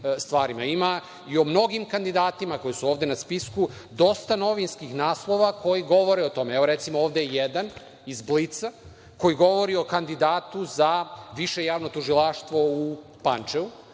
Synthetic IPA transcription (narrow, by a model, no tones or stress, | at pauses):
st̪ʋaːɾimaima | io̞mno̞ɡimkand̪id̪aːt̪imako̞jisuo̞ːʋd̪enaspisku | d̪o̞st̪ano̞ʋinskixnaːslˠo̞ʋakʰo̞jiɡo̞ʋo̞ɾeot̪o̞meeʋo̞ɾet̪simooːʋd̪ejjed̪an | izblit̪sa | ko̞jiɡo̞ʋo̞ɾio̞kand̪id̪aːt̪uzaʋiʃe̞jaːʋno̞t̪uʒilˠaʃt̪ʋo̞u | pant͡ʃeu